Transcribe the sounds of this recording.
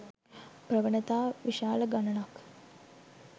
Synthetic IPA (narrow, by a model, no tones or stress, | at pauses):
prəʋənət̪aːʋiʃaːləɡanənak